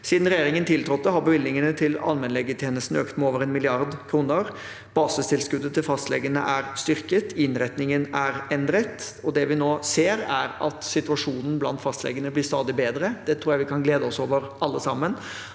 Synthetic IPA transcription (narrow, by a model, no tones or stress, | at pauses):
siːd̪n̩ɾɛjeːɾɪŋənt̪ʰɪlt̪ʰɾɔt̪ːəɦɑɾbəʋɪlnɪŋənət̪ʰɪlɑ̰lmɛnlɛɡət̪ʰjeːnəst̪n̩øːkt̪mɛoːʋəɾɛnmɪlɪɑɾd̪kʰɾuːnəɾ | b̥ɑːsəst̪ʰɪlskʉd̪ːət̪ʰɪlfɑst̪lɛ̰ɡənə̰ʔæɾst̪ʏɾkət̪ɪnɾɛt̪nɪŋənæɾɛnd̪ɾət̪ɔd̪ɛʋɪnoːseːɾæ̰ɾɑt̪sɪt̪ʉɑʂuːnən̩blɑ̰nt̪fɑst̪lɛ̰ɡənəblɪɾst̪ɑːd̪ɪbeːd̪ɾəd̪̥ɛt̪ʰɾuːɾjæɪʋɪkʰɑnɡleːd̪əɔsoːʋəɾɑlːəsɑmːən